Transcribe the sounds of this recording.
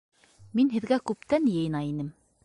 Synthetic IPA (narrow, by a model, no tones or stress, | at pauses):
minɦɘ̆ðɡækʉp̚t̪ænjɤ̆jɤ̆nɑinɘm